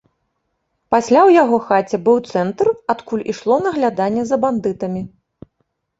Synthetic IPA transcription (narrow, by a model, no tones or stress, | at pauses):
pasʲlʲawjaɣɔxat͡sʲɛbɨwt̪sɛnt̪rat̪kulʲiʂlˠɔnɐɣlʲad̪anʲːɛzɐband̪ɨt̪ɐmʲi